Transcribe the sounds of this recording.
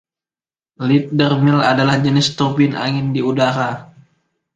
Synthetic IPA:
lit̪̚dərmɪla̰dalahd͡ʒənɪst̪ubɪnʔa̰ŋɪndiudaɾa

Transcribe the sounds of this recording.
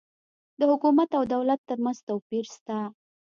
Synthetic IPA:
d̪əhʊkumat̪awd̪awlat̪ːəɾmanzt̪awpiɾst̪a

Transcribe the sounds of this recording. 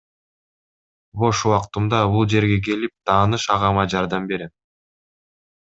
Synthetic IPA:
bo̞ʃuwɑqt̪umd̪ɑbulˠd͡ʒe̞ɾɡe̞k̬e̞lip̚t̪ʰɑːnɯʃɑʁɑmɑd͡ʒɑɾd̪ɑmbe̞ɾe

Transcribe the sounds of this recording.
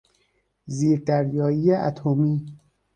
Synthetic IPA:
ziːɾd̪æɾjɒːiːjeʔæt̪ʰomiː

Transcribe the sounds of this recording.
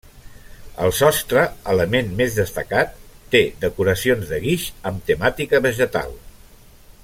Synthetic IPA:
ə̰lˠsɔst̪ɾəələmenmezðəst̪əkat̪ːeðəkuɾəsionzðəɣiʃəmt̪əmat̪ikəβəʒət̪a̰lˠ

